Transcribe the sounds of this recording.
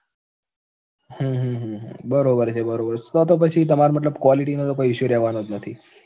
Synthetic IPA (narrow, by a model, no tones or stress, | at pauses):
ɦũɦũɦũɦbəɾobəɾt͡ʃʰebəɾobəɾt͡ʃʰt̪ot̪op̬ət͡ʃʰit̪əmaɾmət̪̬ləbkʋaliʈinot̪opəɦiʃuɾɛɦʋanod͡ʒnət̪ʰi